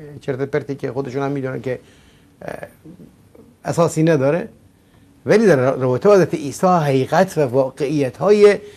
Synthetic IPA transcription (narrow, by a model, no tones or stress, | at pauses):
t͡ʃʰeɾt̪epeɾt̪iːkʰexod̪eʃuːnhæmːiːd̪uːnænkʰʲe | æsɒːsiːnæd̪ɒːɾe | væliːd̪æɾɾæɒːbet̪ʰːhæzɾæt̪eʔiːsɒːɦæɣiːɣæt̪ʰvævɒːɢeʔijːæt̪hɒːje